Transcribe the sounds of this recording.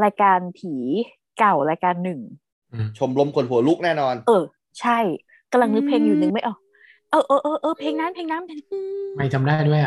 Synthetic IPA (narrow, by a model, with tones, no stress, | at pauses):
ɾaː˧jkaː˧nt̪ʰiː˩˦ | ka˨˩wɾaː˧jkaː˧nːɯ˨˩ŋ | ʔɯ˧˩t͡ɕʰo˧mlo˦˧˥mkʰo˨˩˦nɦu˩˦ɐlu˦˥k̚nɛː˥˩nɔː˧nʔɤː˧˩ | t͡ɕʰa˥˩j | ka˧mla˧ŋnɯ˦˥pʰeː˧ŋjuː˨˩nɯ˨˩ŋma˥˩jʔɔ˨˩k̚ | ʔɤː˧ʔɤː˧˩ʔɤː˧ʔɤː˧pʰeː˧ŋnaː˦˥mpʰeː˧ŋnaː˦˥mpʰeː˧ŋma˧˩jt̪ʰa˧mdaː˥˩jdja˨˩